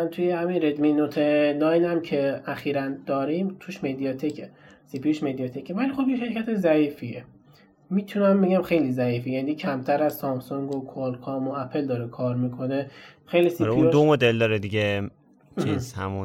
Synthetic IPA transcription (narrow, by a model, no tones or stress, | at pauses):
ænt̪ʰujehæminɾed̪minot̪ʰenɒːjnæmcʰe̞æxiːɾænd̪̥ɒːɾimt̪ʰuʃmed̪ijɑt̪ʰecʰe | sipioʃmed̪ijɒt̪ʰecevælixo̞bjeʃeɾcʰæt̪ʰeʃzæiːfie | miːt̪ʰunæmbe̞ɟæmxejlizæiːfijænicʰæmt̪ʰæɾæz̥sɒmsoŋɡokʰolkʰɔmoæpʰeld̪ɒɾekʰɒːɾmikʰo̞ne̞xejlisiɾuĩd̪omod̪eld̪ɒɾed̪iɟe | t͡ʃʰizhæ̰mun